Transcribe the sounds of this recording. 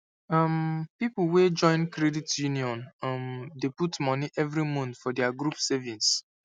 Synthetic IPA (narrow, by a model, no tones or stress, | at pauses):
ampiplwed͡ʒɔ̃ɪ̃nkɹɛditjuniɔ̃namdeputmɔniʔɛvɹimũntfɔdɛaɡɹupsɛvĩns